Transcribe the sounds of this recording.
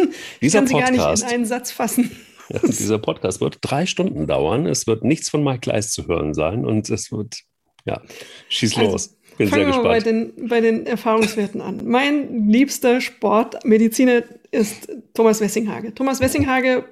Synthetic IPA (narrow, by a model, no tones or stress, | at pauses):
ɪd̥iːkzɐanpziɡaɐnɪa̰ːsʔaɪnənzat͡sfasn̩ | d̥ḭːzɐpʰɔt̚kʰaːstv̥ɪ̰ɐtd̥ʁaɪʃtʊndn̩da̰ʊɐ̰nɛ̰sv̥ɪɐtnɪçt͡sfɔnmaːlkʰl̥a̰ɪst͡suhø̰ːʁ̞ənza̰ɪnʔʊ̰ntʰɛsv̥ɪɐt | ja̰ːʃiːslo̰ːs | b̥ɪnzfaɛːŋiaaɪdeːnbaɪdeːnɛɐfaːʁ̞ʊŋsv̥eːɐtn̩a̰nmaɪnliːpstɐʃpɔɐtmedit͡siːnɐʔɪsttʰːoːmasv̥ɛsɪŋɦa̰ːɡətʰoːmasv̥ɛsɪŋɦaːɡə